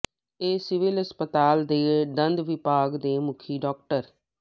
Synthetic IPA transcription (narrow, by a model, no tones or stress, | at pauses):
eːsɪʋɪlɦəspət̪aːld̪eːd̪ənd̪ʋɪpaːɡd̪eːmʊkʰiːɖɔːk̚ʈəɾ